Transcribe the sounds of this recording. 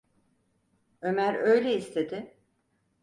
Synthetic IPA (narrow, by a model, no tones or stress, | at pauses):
ø̞mæɾø̞jlʲeist̪ʰe̞d̪ɪ